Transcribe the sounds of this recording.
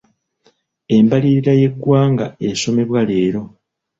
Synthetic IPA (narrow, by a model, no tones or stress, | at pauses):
e̞mbaliɾiɾaje̞ɡwaːŋɡae̞so̞me̞βwale̞ːɾo̞